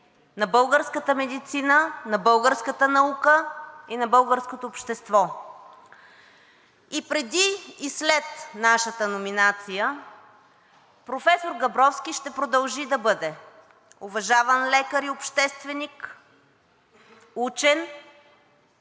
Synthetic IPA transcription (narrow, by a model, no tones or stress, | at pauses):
nɐbɤlˠɡəɾskət̪əmɛd̪it̪sinənɐbɤlˠɡəɾskət̪ənɐukəinɐbɤlˠɡəɾskot̪oːpʃt̪ɛst̪vɔ | ipɾɛd̪iːslɛt̪naʃət̪ənominat̪sijə | pɾofɛsoɾɡɐbɾɔfsk̟iʃt̪ɛpɾod̪ɐlˠʒid̪ɐbɤd̪ɛ | ovɐʒavənlɛkəɾiopʃt̪ɛst̪vɛnik | ut͡ʃɛn